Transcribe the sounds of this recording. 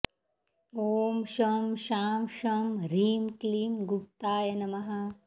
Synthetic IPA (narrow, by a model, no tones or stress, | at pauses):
oːmʃɐmʃaːmʃɐmɾiːmkliːmɡup̚t̪aːjɐnɐmɐɦɐ